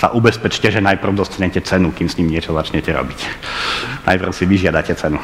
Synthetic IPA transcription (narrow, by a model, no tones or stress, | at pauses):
sa̰ʔubɛspɛt͡ʃcɛʒɛnajpr̩ʊd̪ɔst̪ɲɛcɛt͡sɛnukimsɲimɲɪɛt͡ʃɔzat͡ʃɲɛcɛɾɔ̰bic | na̰jpr̩ʊsiʋiʒɪad̪acɛt͡sɛnu